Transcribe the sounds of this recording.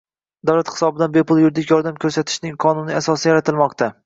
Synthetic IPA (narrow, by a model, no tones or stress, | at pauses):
d̪awlat̪hɪ̥sɒbɪd̪anbepʰʊlˠjʊɾd̪ɪkʲjɒɾd̪amkʲʰɵɾsat̪ʰɪ̥ʃnɪŋqʰɒnʊnɪasɒsɪjaɾat̪ʰɪlˠmɒqt̪ʰa